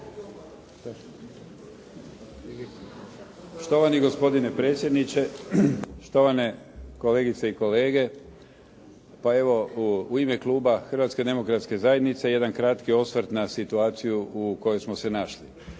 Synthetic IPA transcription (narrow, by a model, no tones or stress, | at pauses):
ʃt̪o̞ʋaniɡo̞spo̞d̪ine̞pɾe̞ːt̪sʲje̞d̪nit͡ʃe̞ | ʃt̪o̞ʋane̞ | ko̞leɡit̪seiko̞le̞ːɡe̞ | pae̞ʋo̞uimeklˠuːbaxr̩ʋat̪ske̞d̪e̞mo̞kɾat̪ske̞zajed̪nit̪se̞je̞d̪ankɾat̪kio̞sʋɾt̪nasit̪uaːt̪sijuuko̞jojsmose̞naʃli